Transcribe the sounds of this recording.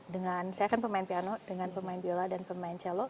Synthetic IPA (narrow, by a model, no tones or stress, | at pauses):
dəŋansajakanpərmaɪnpianɔdəŋanpərmaɪnpioladanpərmaɪnt͡ʃɛlɔ